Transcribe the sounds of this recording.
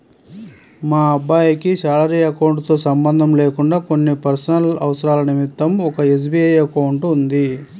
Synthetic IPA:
maːɐbːaːjɐkiʃaːlɐɾiɐkɐwuɳʈt̪o̞ːsɐmbɐnd̪ʱɐmle̞ːkuɳɖaːko̞nːipɐɾsɐnɐlɐʋɐsɐɾaːlɐnimit̪ːɐmɔkɐe̞s̬biɐjɐkɐwɳʈund̪i

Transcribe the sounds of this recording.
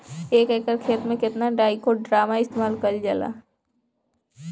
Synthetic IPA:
eːkeːkəɾkʰeːt̪mẽkɪt̪naɖaːikoɖɾaːmaɪst̪eːmaːlkɐld͡ʒəla̰

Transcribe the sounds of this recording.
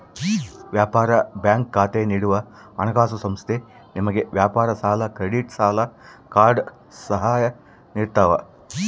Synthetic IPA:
ʋjaːpaːɾɐbjaːŋkːaːt̪eːniːɽuʋɐ | ɐnɐɡaːs̬ɐsɐmst̪ʰe | nimɐɡeʋjaːpaːɾɐsaːlɐkɾeɽiʈsaːlɐkaːɾɖ | sɐɦaːjɐ | niːɾt̪aːʋɐ

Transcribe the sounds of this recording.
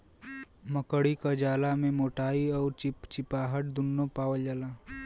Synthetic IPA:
məkəɽikad͡ʒaːlamẽmoːʈaːiɔːɾt͡ʃɪpt͡ʃɪpaːɦəʈ̚d̪ʊnːopaːwəld͡ʒala

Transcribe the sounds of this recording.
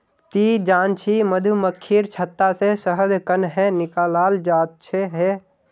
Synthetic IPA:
t̪id͡ʒaːnt͡ʃʰiməd̪ʱuməkʰːiɾt͡ʃʰət̪ːasesəɦəd̪kənɦɛ̃nɪkaːlaːld͡ʒaːt̪̚t͡ʃʰeɦe

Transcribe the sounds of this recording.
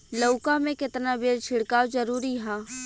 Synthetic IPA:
lɐːkamẽkɪt̪nabeːɾt͡ʃʰɪɽkaːwzɐɾuːɾiɦɛː

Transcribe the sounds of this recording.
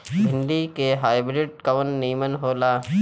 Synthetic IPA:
bʱɪ̃ɳɖikeɦaːɪbɾɪɖ̚kəʋənːiːmənɦoːlaː

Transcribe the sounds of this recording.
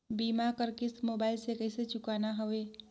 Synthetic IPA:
biːmakəɾkɪsmoːbaːɪlsekəɪset͡ʃʊkaːnaɦoʋeː

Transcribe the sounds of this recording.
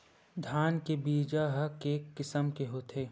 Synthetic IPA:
d̪ʱjaːnkebiːd͡ʒaɦɐkeːkːɪsəmkeɦoːt̪ʰeː

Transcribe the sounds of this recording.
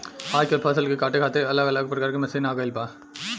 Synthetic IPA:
aːd͡ʒkepʰɐs̬əlkekaːʈekʰaːt̪eɐləɡɐləɡ̚pɾɐkaːɾkemɐsiːnaːɡəɪlpãː

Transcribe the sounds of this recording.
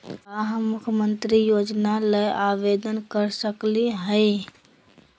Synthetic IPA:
əɦəːukʰjəmənt̪ɾijod͡ʒnalejʔabed̪ənkəɾsəkliɦəɪ

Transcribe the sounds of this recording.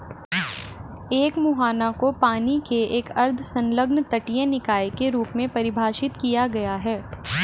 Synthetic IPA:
eːkmuɦaːnakopaːnikeeːkɐɾd̪ʱsɐ̃nləɡnt̪ɐʈijẽnɪkaːjkeɾuːpmẽpɐɾɪbʱaːʃɪt̪kijaɡɐjaɦɛː

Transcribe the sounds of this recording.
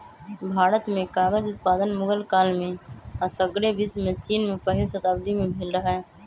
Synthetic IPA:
bʱaːɾət̪mẽkaːɡəd͡ʒʊt̪̚paːd̪ənmʊɡəlkaːlmẽsəɡɽebɪsmẽt͡ʃiːnmẽpəɦɪlsət̪aːbd̪imẽbʱɪːlɾəɦɦɛː

